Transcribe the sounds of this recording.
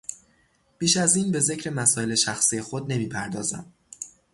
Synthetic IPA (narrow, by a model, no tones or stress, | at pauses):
b̥iːʃæziːnbe̞ze̞cʰɾe̞mæsɒːe̞le̞ʃæxsije̞xod̪̚ne̞miːpʰæɾd̪ɒːzæ̰m